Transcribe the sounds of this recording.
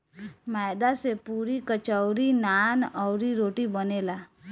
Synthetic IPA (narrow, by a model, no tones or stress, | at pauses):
majd̪asepuɾikət͡ʃəʊɾinanɔʊɾiɾoːʈibənela